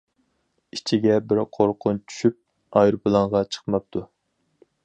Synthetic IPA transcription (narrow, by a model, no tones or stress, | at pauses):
it͡ʃʰiɡʲɛbɪɾqʰoɾqʰʊnt͡ʃʰy̥ʃyp̚ | ɑjɾpɨlˠɑɴʁɑt͡ʃʰə̥χmɑp̚t̪ʰu